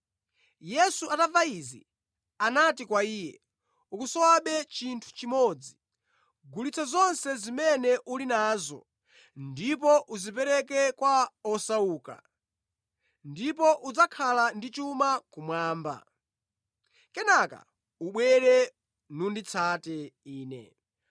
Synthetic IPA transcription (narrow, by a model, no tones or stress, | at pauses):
jɛsuʔatavaizḭ | anatikwaiːjɛ̰ | ukusɔwaɓɛt͡ʃintʰu̥t͡ʃimɔd͡zi | ɡulit͡sʰazɔnsɛzimɛnɛʔulinaːzɔ̰ | ndip̬ɔʔuzipɛɾɛkɛkwaɔsauːka̰ | ndipɔʔud͡zakʰalandit͡ʃumakumwaːmba̰ | kɛnaka̰ | uɓwɛɾɛ | nundit͡sʰatɛiːnɛ̰